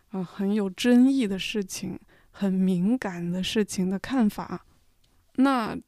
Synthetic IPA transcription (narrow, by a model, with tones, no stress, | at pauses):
ə˧xə˧˥njo˨˩ʊʈ͡ʂə˥ŋi˥˩d̪ə˩ʂɻ̩˥˩t͡ɕʰi˨˩ŋ | xə˨˩nmi˧˥ŋka˨˩nd̪ə˦ʂɻ̩˥˩t͡ɕʰi˨˩ŋd̪ə˦kʰa˥˩nfa̰˨˩˦ | na˥˩